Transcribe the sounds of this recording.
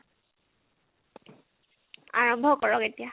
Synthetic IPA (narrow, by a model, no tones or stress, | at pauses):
a̰ɹɔmbʱɔkɔɹɔketija